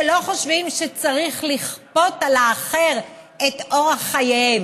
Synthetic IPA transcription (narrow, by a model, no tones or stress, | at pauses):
lo̞χoʃvimʃet͡saʁiχliχpo̞talaːχe̞ʁ | et̪ʔoʁaχajev